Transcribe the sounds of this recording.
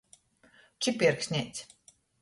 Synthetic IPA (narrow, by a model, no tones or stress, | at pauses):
t͡ʃipʲiɾksʲnʲɛjt̪sʲ